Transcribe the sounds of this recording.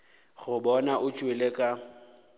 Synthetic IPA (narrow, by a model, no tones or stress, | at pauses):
ɣʊbɔnaʔʊt͡ʃʼwelekʼa